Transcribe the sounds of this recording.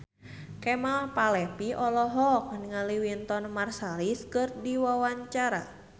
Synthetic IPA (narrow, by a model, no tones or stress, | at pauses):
kɛmalpalɛpiɔlɔɦɔk̚nəŋaliwint̪ɔnmarsaliskɨrdiwawaɲt͡ʃaɾa̰